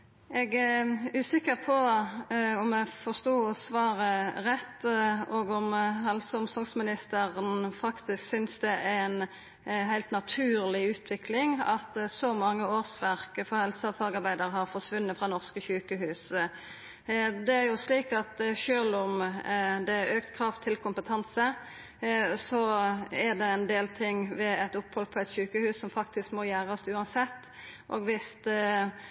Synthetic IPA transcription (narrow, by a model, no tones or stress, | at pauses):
ɛɡæʉːsɪkːəʁpʰɔ | ɔmɛfɔʁst̪oːɔsʋɑːɾəʁɛt̪ːɔɡɔmɦɛlsəʊmsɔŋsmɪnɪst̪əʁənfɑkt̪ɪsksʏnsd̪ɛʔæɛn | ɦæɪlt̪nɑt̪ʰʉːʁlɪʉːt̪ʰʋɪkʰlɪŋɑ̰t̪sɔmɑŋːəoːsʋæʁkəfɔhɛlsəɑfɑːɡɑɾbæɪd̪əɾəhɑʁfɔʁʂʋʉnːət̪fʁɑnɔʁskəçʉːkəɦʉːs | d̪ɛæʁjʊsliːkɑt̪ʃøːlɔmd̪ɛøːkt̪kʰɾɑft̪ʰːɪlkʰʊmpət̪ʰɑnsə | sɔæʁd̪ɛɛnd̪eːlt̪ʰɪŋʋɛɛt̪ʊphɔlpʰɔɛt̪çʉːkəhʉːssɔmfɑk̚t̪ɪskmoːjæːʁɔst̪ʉːɑnsɛt̪ː | ʔo̰ːɡʋɪst̪